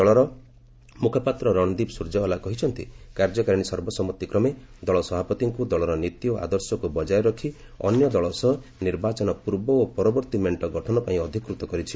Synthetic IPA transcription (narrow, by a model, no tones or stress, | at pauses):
d̪ɔɭɔɾɔ | mukʰɔpat̪ɾɔɾɔɽ̃ɔd̪ibsuɾd͡ʒaɔlakɔɦit͡ʃʰɔnt̪ḭkaɾd͡ʒɔkaɾiɽ̃isɔɾbɔsɔmɔt̪ːikɾɔmed̪ɔɭɔsɔbapɔt̪iŋkud̪ɔɭɔɾɔnit̪ioʔa̰d̪ɔɾsɔkubɔd͡ʒaeɾɔkʰi | ɔ̰njɔd̪ɔɭɔsɔɦniɾbat͡ʃɔnɔpuɾbɔopɔɾɔbɔɾt̪imeɳʈɔɡɔʈʰɔnɔpaĩɔd̪ʱikɾut̪ɔkɔɾit͡ʃʰi